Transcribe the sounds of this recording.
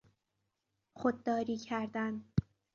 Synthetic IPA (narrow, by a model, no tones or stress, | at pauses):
χod̪̚d̪ɒːɾiːcʰæɾd̪æn